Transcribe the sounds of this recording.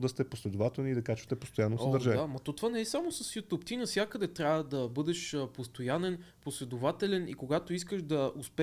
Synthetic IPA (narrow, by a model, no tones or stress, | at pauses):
d̪ɐst̪ɛposlɛd̪ovat̪ɛlˠniːd̪ɐkat͡ʃɛ̥st̪ɛpost̪ojanːosəd̪əɾʒaamɐt̪ot̪vanɛɛsamosɐsjut̪opt̪inəfsʲjakəd̪ɛt̪ɾʲavəd̪ɐbɤd̪ɛʃəpost̪ojanɛn | poslɛd̪ʊvat̪ɛlɛnḭkoɡat̪oiskəʃd̪ɐospɛ